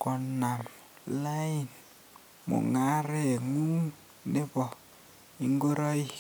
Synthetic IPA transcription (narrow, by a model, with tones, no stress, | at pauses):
kɔ˨na˨m | la˦i˨n | mo̰˨ŋa˦ɾe˦e˨ŋu˦ŋ | ne˦bɔ˨ | i˦ŋɡo˦ɾɔ˦i˦